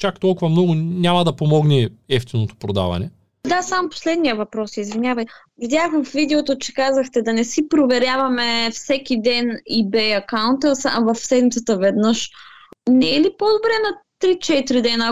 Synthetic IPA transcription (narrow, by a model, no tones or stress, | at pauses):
t͡ʃakt̪ɔlˠkʊvɐmnɔɡʊnʲamɐd̪ɐpomɔɡnɛɛft̪inot̪o̥pɾod̪a̰vɐ̰nɛ | d̪asamopo̥slɛd̪nijəvɐpɾɔsiːzvinʲjavɐj | vid̪ʲjaxfvid̪ɛot̪ot͡ʃɛ̥kazɐxt̪ɛd̪ɐnɛsipɾovɛɾʲjavɐmɛfsɛk̟id̪ɛnibɛɐkaʊnt̪əsavɐfsɛd̪mit̪sət̪əvɛd̪nəʃ | nɛːlipod̪obɾɛnɐt̪ɾit͡ʃɛt̪ɾid̪ɛnə